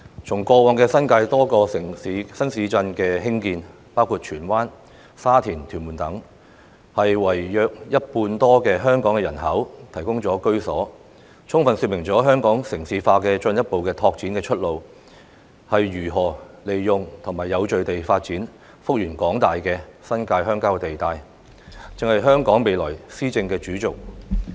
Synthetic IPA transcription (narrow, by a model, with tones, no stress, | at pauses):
t͡ʃʰʊ˨˩ŋkʷɔː˧wɔː˨˧ŋkɛː˧sɐ˥nkaː˧jt̪ɔː˥kɔː˧ɪ˨ŋi˨˥sɐ˥nsiː˨˧t͡sɐ˧nkɛː˧hɪ˥ŋkiː˧n | paː˥wkʰuː˧t̚t͡ʃʰyː˨˩nwaː˥n | saː˥t̪ʰiː˨˩nt̪ʰyː˨˩muː˨˩nt̪ɐ˨˥ŋ | hɐ˨jwɐ˨˩jjœː˧k̚jɐ˥t̚puː˧nt̪ɔː˥kɛː˧ɦœː˥ŋkɔː˨˥ŋɛː˧jɐ˨˩nɦɐ˨˥wt̪ʰɐ˨˩jkʊ˥ŋt͡sɔː˨˥kɵ˥ɥsɔː˨˥ | t͡ʃʰʊ˥ŋfɐ˨˧nsy˧mɪ˨˩ŋt͡sɔː˨˥ɦœː˥ŋkɔː˨˥ŋsɪ˨˩ŋsiː˨˧faː˧kɛː˧t͡ʃɵ˧njɐ˥t̚po˨wkɛː˧t̪ʰɔː˧k̚t͡siː˨˥nkɛː˧t͡ʃʰɵ˥t̚lo˨w | hɐ˨jːyː˨˩ɦɔː˨˩le˨jːʊ˨ŋt̪ʰʊ˨˩ŋmaː˨˩jːɐ˨˧wt͡ʃɵ˨ɥt̪e˨jfaː˧t̚t͡siː˨˥n | fʊ˥k̚jyː˨˩nkɔː˨˥ŋt̪aː˨jkɛː˧sɐ˥nkaː˧jɦœː˥ŋkaː˥wt̪e˨jt̪aː˨˧j | t͡sɪ˨ŋhɐ˨jɦœː˥ŋkɔː˨˥ŋme˨jlɔ̰ː˨˩jsiː˥t͡sɪ˧ŋkɛː˧t͡ʃyː˨˥t͡sʊ˨k̚